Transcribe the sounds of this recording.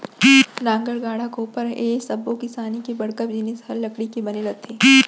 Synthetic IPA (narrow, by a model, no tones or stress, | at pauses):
ɾãːŋɡəɽɡaːɽ̤akoːpəɾeːsɐbːõkisaːnikibɐɽkəpd͡ʒinesɐlːɐkɽikibɐneɾɐt̪ʰeː